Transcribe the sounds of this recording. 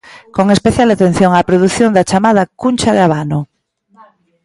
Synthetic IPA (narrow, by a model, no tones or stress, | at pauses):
koŋespeθjalat̪en̟θjoŋapɾoðuθjond̪at͡ʃamað̞akunt͡ʃaðeaβ̞ano